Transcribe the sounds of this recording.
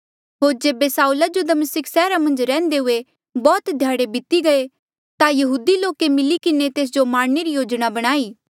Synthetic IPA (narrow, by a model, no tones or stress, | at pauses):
ɦoːɾd͡ʒeːbesaːulad͡ʒod̪ɐməsɪksɛːɾamɐ̃nd͡ʒɾɛ̃ːnd̪eɦʊe | bɔːt̪d̪ʱjaːɽebɪt̪iɡɐe | t̪ajɐɦuːd̪iloːkemɪlikɪnet̪eːs̬d͡ʒomaːɽneɾijoːd͡ʒɽ̃abɐɽ̃aːiː